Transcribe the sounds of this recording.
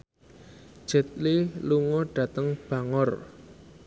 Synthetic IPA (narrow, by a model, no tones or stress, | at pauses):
ʒ̥ə̤t̪̚liluŋɔɖ̥ä̤t̪əŋb̥a̤ŋɔr